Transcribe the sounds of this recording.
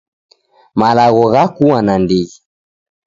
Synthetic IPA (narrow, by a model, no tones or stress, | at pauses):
malaɣɔɣakuwanandiɣi